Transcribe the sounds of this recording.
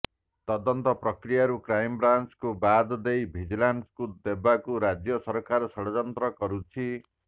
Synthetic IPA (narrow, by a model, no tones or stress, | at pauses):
t̪ɔd̪ɔnt̪ɔpɾɔkɾijaɾukɾajmbɾant͡ʃkubad̪ɔd̪ejbʱid͡ʒlanskud̪ebakuɾad͡ʒjɔsɔɾɔkaɾɔsɔɽɔd͡ʒɔnt̪ɾɔkɔɾut͡ʃʰi